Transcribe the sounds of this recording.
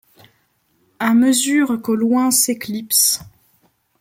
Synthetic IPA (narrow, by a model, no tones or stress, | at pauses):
aməzyːʁkolwɛ̃seklips